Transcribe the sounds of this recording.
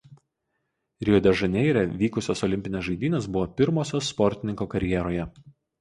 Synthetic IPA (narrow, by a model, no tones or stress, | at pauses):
ɾʲɪɔd̪ʲɛʒɐnʲɛɪɾʲɛʋʲiːkʊsʲoːsɔlʲɪmʲpʲɪnʲɛsʒɐɪd̪ʲiːnʲɛsbʊʋoːpʲɪɾmoːsʲoːsːpɔɾʲt̪ʲɪnʲɪŋkoːkɐɾʲjɛɾoːjɛ